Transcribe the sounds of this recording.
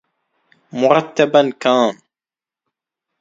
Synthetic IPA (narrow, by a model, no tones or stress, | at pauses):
mʊɾˤɑt̪ːabankaːn